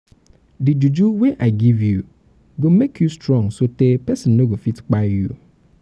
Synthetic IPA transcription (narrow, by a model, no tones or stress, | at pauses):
did͡ʒud͡ʒuweʔaɪɡivju | ɡomekʰjustɹɔ̃ŋsotepɛsɪ̃nnõɡofitk͡paju